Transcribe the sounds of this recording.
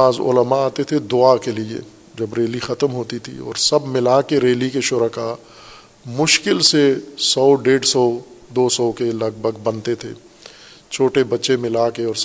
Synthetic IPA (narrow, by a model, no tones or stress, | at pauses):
aːzʊ̰ləmaaːt̪et̪ʰed̪ʊakeliḛ | d͡ʒɐbɾeːlixɐt̪əmɦoːt̪it̪ʰḭɔ̰ːɾsɐbmɪlaːkeɾeːlikeʃʊɾəka | mʊʃkɪlsesɔːɖeːɖsɔːd̪oːsɔːkelɐɡ̚bʱəɡbɐnt̪et̪ʰḛː | t͡ʃʰoːʈebɐtːʃemɪlaːkeɔːɾs